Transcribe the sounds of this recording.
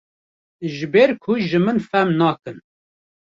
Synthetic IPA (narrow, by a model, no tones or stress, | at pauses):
ʒɨbeɾkʰʊʒɨmɨnfɛmnɑːkɨn